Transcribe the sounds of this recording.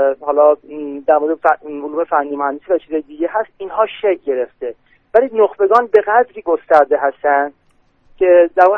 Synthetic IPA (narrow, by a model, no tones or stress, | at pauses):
hɒːlɒːd̪æɾmoɾed̪efvuluːmefænːiːmohænd̪esiːvæt͡ʃʰiːzɒjed̪iɟeɦæst̪inhɒːʃek̚ʰɟe̞ɾe̞ft̪e̞ | væliːnoxbe̞ɡɒːnbe̞ɣæd̪ɾiːɡost̪æɾd̪eɦæst̪ænd̪̥ | cʲʰed̪æɾuːn